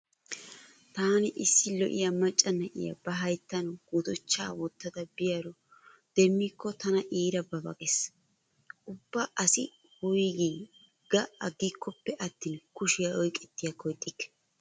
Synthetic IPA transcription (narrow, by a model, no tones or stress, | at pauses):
t̪aːnɪʔɪsːɪlɔ̰ʔɪ̰jɐmɐt͡ʃʼːɐnɐʔɪ̰jɐ̰bɐɦɐjt̪ːɐnɔɡ̥ut̪ɔt͡ʃːaːwɔt̪ːɐd̪ɐbɪjɐɾɔ | d̪̥ɛmːikːɔt̪ɐnɐʔiːɾɐbɐbɐ̰kʼɛs | ʔʊbːɐʔɐsɪ | hʊjɡi | ɡ̥ɐʔɐɡikʰːɔpːɛʔɐt̪ːiːnkʊʃɪjɐʔɔjkʼɛt̪ːɪjɐkɔjt̪ʼːɪkːɛ̥